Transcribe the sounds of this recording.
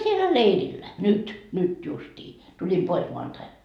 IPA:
sielæ leirilːæ nyt nyt justiː tulim pois moɑntɑi

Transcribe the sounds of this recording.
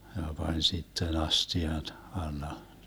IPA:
jɑ pɑnʲ sitːen ɑstiɑn ɑlːɑ

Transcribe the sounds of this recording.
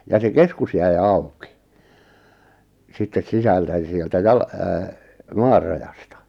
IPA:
jɑ se keskus jæi̞ ɑu̞ki sitːes sisæltæ jɑ̆ sieltæ jɑl mɑːr rɑjɑstɑ

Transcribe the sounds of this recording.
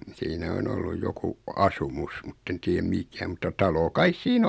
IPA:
siːnæ on olːuj joku ɑsumus mutːen tiːæm mikæ mutːɑ tɑlo kɑis siːn

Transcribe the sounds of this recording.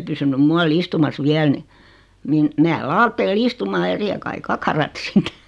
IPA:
pysynym muɑl istumɑs ʋiæl ni niːn meæ lɑːtːeːl istumɑː jɑ sihe kɑi kɑkɑrɑt sit

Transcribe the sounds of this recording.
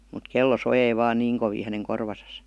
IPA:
mut kelːo sojei ʋɑːn niːŋ koʋiː hæneŋ korʋɑsɑs

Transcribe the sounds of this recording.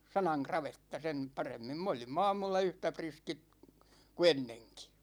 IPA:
sɑnɑŋ krɑʋetːɑ sen pɑremːim m olimː ɑːmulːɑ yhtæ priskit ku enːeŋki

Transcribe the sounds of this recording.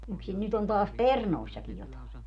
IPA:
yksin nyt on tɑːs pernoˑisːɑkij jotɑˑe

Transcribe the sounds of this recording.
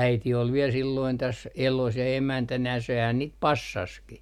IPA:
æiti ol ʋiel silːoin tæs elos jɑ emæntænæ sehæn niːt pɑsːɑski

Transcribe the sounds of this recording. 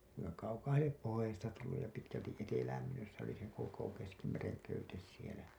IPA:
kuiŋkɑ kɑukɑːhɑl liep pohojɑsestɑ tulːuj jɑ pitkæltiʔ ʔetelæːm myøs se oli seŋ koko keskimereŋ køytes sielæ

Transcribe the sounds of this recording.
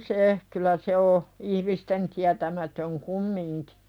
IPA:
se kylæ se o ihmisten tiætæmætøŋ kumːiŋki̥

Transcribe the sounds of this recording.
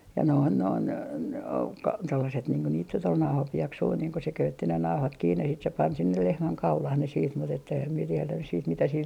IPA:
jɑ noin noin o tolːɑset niːŋ ko niːt nyt ol nɑuhɑpieksui niːŋ ko se køytːi ne nɑuhɑt kiːnːe sit se pɑn sinːel lehmæŋ kɑulɑh ne siːt mut etː eːhæm mie tielæ nys siːt mitæ sil

